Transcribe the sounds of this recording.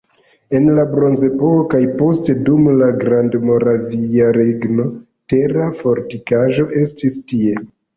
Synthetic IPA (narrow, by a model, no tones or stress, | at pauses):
e̞nlabɾo̞nze̞pokokajpo̞ste̞dumlaɡɾandmo̞ɾaviaɾeɡno̞ | te̞ɾafo̞ɾtikaʒo̞ʔe̞stistie̞